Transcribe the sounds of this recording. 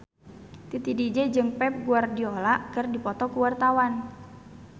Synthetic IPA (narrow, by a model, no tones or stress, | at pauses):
t̪it̪idid͡ʒɛd͡ʒɨŋpɛp̚ɡuardiolaʔkərdipɔt̪ɔkuwart̪awan